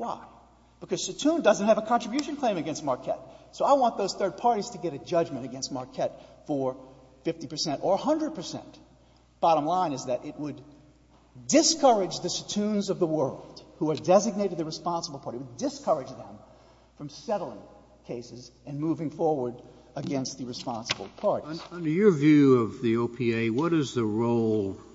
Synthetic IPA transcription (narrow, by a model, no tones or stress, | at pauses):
waɪ | b̥ɨkʰʌz̥sɨtʰũndʌznt̚hɨvəkʰɑ̃nt͡ʃɹ̥əbjʉʃɨ̃n̩kʰl̥ẽɪ̃mɨɡɛ̃nst̚mɑɹkʰɛ̰t̚soʊaɪwɑ̃nðoʊz̥θɜ˞d̚pʰɑɹɾiz̥tʰɨɡɛɾɨd͡ʒʌd͡ʒmɨ̃ñɨɡɛ̃nst̚mɑɹkʰɛtfə˞ | fɪftipʰə˞sɛ̃ntə˞hʌ̃ndɹɨd̚pʰə˞sɛ̰̃nt | b̥ɑɾə̃mlãɪ̃nɨzðɨɾʔɪt̚wəd | ɨskʰʌ˞ɨd͡ʒðɨsɨtʰʉ̃nzʌvðəwɜ˞lˠd̥huə˞dɛzɨɡ̚neɪɾɨd̪̚ðɨɹɨspɑ̃nsəbl̩ˠpʰɑɹɾiwəddɨskʰɜ˞ɨd͡ʒðə̰̃ɱ | fɹʌ̃msɛɾl̩ˠɪ̰̃ŋ | kʰeɪsɨzɨ̃nmuvɪ̃ŋfɔɹwə˞ɾ | ɨɡɛ̃nst̪̚ðɨɹɨspɑ̃nsəbl̩ˠpʰɑɹɾĩʌ̃ndə˞jə˞vjʉʌvðioʊpʰieɪwʌɾɨzðɨɹoʊlˠ